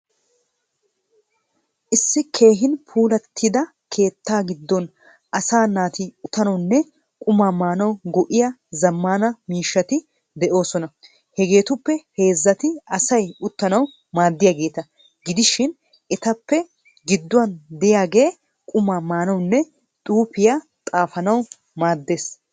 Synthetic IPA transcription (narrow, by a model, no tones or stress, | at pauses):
ʔɪsːɪkʰe̞ːɦɪnpʰuːlɐt̪ʰːɪd̪ɐ | kʰe̞ːt̪ːaːɡɪd̪ːɔn | ʔɐsaːnaːt̪ɪʊt̪ɐnɔwnːɛ | kʼʊmaːmaːnɐwɡɔʔɪjɐzɐmːaːnɐmiːʃːɐt̪ɪ | d̪ɛʔo̞ːsɔnɐ | hɛɡe̞ːt̪ʊpːɛhe̞ːzːɐt̪ɪɐsɐjʊt̪ːɐnɐw | maːd̪ːɪjaɡe̞ːt̪ɐ | ɡɪd̪ɪʃɪn | ʔɛt̪ɐpːɛ | ɡɪd̪ːʊwɐnd̪ɛjaːɡe̞ː | kʼʊmaːmaːnɐwnːɛ | t̪ʼuːpɪja | t̪ʼaːfɐnɐw | maːd̪ːe̞ːs